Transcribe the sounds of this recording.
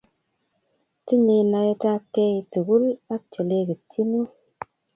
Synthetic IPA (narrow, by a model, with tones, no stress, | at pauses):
ti˦ɲe˧˨na˧je˦ta˦kːe˧i˨tu˨ɡu˦la˦k̚t͡ʃe˨le˧ki˨tʰi˦nu˦